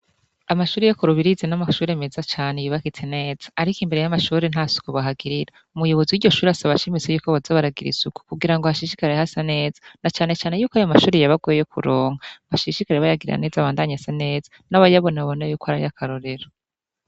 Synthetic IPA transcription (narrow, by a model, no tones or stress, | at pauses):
amaʃuːɾejokoɾuβiɾizenamaʃuːɾemezat͡ʃaːnejiβakitʰene̞ːz̥ḁːɾikimbe̞ɾe̞jamaʃuːɾenhasu̥koβaɦaɡiɾiɾa | umujo̞βoziwiɾɟo̞ʃuːɾeasaβaʃimit͡sejuːkoβazaβaɾaɡiɾḭzuku̥kuɡiɾaŋɡohaʃiʃikaɾeehasane̞ːzḁnat͡ʃaːne̞t͡ʃaːne̞juːkoajo̞maʃuːɾejaβaɡojejokuɾoːŋ̥aβaʃiʃikaɾeβajaɡiɾiɾa̰ne̞ːzaβaːndaɲasane̞ːzḁnaβajaβo̞naaβo̞nejuːkoaɾajakaɾo̞ɾe̞ɾo